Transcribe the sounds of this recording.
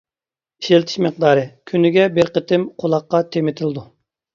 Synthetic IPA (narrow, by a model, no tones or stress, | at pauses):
i̥ʃelt̪ʰɪ̥ʃmɨq̚d̪ɑːɾɨkʲʰynɪɡʲɛbɪɾqət̪ʰɪmqʰolˠɑqːɑt̪ʰemɪt̪ʰɪld̪u